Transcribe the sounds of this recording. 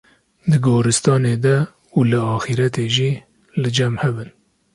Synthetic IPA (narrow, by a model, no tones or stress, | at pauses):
d̪ɨɡoːɾɨst̪ɑːned̪ɛ | uːlɨɑːxiɾɛt̪eːʒiː | lɨd͡ʒɛmhɛbɨn